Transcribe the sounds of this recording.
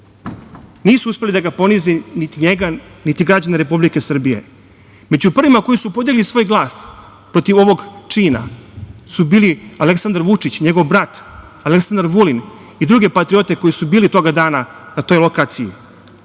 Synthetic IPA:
niːsuuspe̞lid̪aɡapo̞nizinit̪iɲeɡanit̪iɡɾad͡ʑaneɾe̞publike̞sr̩bije̞̰ | me̞d͡ʑupr̩ʋimako̞jisupo̞d̪jeɡlisʋojɡlˠaːs | pɾo̞t̪iʋo̞ʋo̞ɡt͡ʂiːna̰subiːlialeksand̪aɾʋut͡ʂit͡ɕɲe̞ɡo̞ʋbɾat̪ | aleksand̪aɾʋulin | id̪ɾuɡe̞pat̪ɾio̞t̪e̞ko̞jisubiːlit̪o̞ɡad̪aːnanat̪o̞ːjlo̞kaːt̪sijḭ

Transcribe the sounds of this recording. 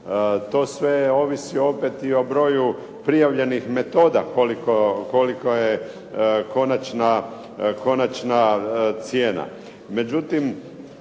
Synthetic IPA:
t̪o̞ːsʋe̞o̞ʋisiopet̪io̞bɾo̞ːju | pɾijaʋʎe̞nixme̞t̪o̞ːd̪akolikoko̞liko̞je | ko̞nat͡ʃna | ko̞nat͡ʃnat̪sje̞ːna̰ | me̞d͡ʑut̪im

